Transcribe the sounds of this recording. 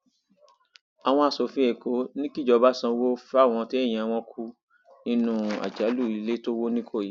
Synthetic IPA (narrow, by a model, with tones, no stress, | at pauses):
a˨w̃ɔ̃˧a˨so˨fĩ˦e˨ko˨˦nĩ˦ki˦d͡ʒɔ˨˧ba˦sã˧wo˦fɛ˦a˦˨w̃ɔ̃˧ti˦e˦˨j̃ĩ˧˨a˧w̃ɔ̃˦kʰu˦ | nĩ˦nũ˧˦a̰˨d͡ʒa˨˦lu˦˨i˨˦le˦to˦wo˦nĩ˦kʰo˦˨ji˨˦